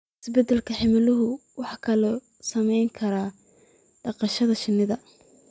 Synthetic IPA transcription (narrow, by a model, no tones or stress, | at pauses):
ɪsbɛd̪ɛlkʰɐħɪmɪlʊɦʊwɑħɑkʰɐlɔ | sɐmɛjŋkʰɐɾaː | ɖɑqɑʃɐðɐʃɪnːɪðɐ